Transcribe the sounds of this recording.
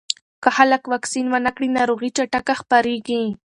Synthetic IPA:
kaxalakwaksinwanakɽinaɾoɣit͡ʃaʈakaxpaɾeɡi

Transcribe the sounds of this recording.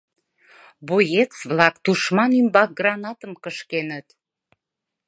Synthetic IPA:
bojet͡sβlɑkt̪uʃmɑnymbɑk̚ɡrɑnɑt̪əmkəʃkenət̪

